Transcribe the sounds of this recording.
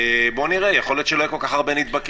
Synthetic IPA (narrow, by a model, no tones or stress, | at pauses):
bo̞niʁejeχo̞lot̪ʃelojɛkolkaχaʁbenit̪̚bak